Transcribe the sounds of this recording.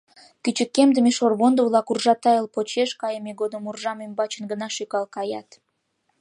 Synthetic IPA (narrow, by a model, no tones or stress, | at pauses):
kyt͡ɕə̆kːemd̪ə̆meʃorβond̪əvlˠɑkurʒɑt̪ɑəlpot͡ɕeʃkɑjəmeɡod̪əmurʒɑmimbɑt͡ɕə̆nɡə̆nɑʃykɑlkɑjɑt̪